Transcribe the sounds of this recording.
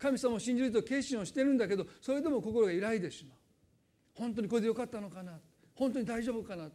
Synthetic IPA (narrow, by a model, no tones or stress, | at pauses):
kamʲisamaoɕĩɲ̟d͡ʑiɾɯt̪oke̞ːɕĩo̞ɕi̥t̪eɾɯ̟̃nd̪ake̞d̪oso̞ɾe̞d̪e̞mo̞ko̞ko̞ɾo̞ɡaiɾaid̪eɕsina | hõ̞nt̪o̞ɲ̟ikoed̪ejokat̪ːano̞kanat̪ | hõ̞nt̪̬o̞ɲ̟id̪aiʑo̞ːbɯ̟kanat̪